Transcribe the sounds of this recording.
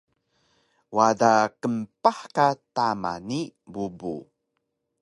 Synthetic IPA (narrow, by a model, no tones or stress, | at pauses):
wadakəmpaħkatama̰nibubṵ